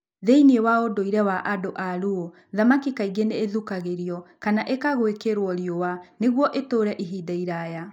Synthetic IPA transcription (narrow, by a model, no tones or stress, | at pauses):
ðeiniewaodoiɾɛwaʔadoʔaɾuo | ðamakikaiɣeneːðukaɣeɾjɔkanaʔekaɣwekeɾwɔɾjowaneɣwɔʔetoɾɛʔiɦidaiɾaːja